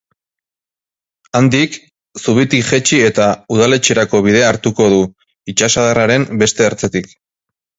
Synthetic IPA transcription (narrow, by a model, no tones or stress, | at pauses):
and̪ik | suβ̞it̪iʝe̞t͡ʃie̞t̪auðale̞t͡ʃieɾako̞β̞iðe̞aɾt̪uko̞ð̞u | it͡ʃasaðaraɾe̞mbe̞st̪e̞ːɾt͡set̪ik